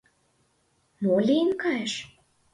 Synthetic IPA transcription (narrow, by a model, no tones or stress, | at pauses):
molʲijənkɑjeʃ